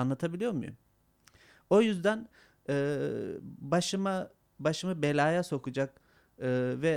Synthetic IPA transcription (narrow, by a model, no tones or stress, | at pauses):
anlˠat̪ʰabilʲijo̞ɾmṵjṵm | o̞jyzd̪æn | ɯː | baʃɯma | baʃɯmɯbelʲaːjaso̞kud͡ʒak | ɯːvɛ